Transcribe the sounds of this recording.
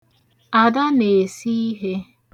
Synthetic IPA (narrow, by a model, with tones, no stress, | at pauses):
a˨da˦ne˨si˦i˦ɦe˦